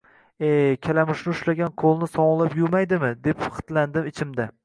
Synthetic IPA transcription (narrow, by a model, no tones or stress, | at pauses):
ekʲʰalamɪʃnɪʊʃlaɡʲanqʰolˠnɪsɒɴlˠapjʊmajd̪ɪmɪd̪e̞pχɨ̥t̪land̪ɪmɪt͡ʃʰɪmd̪a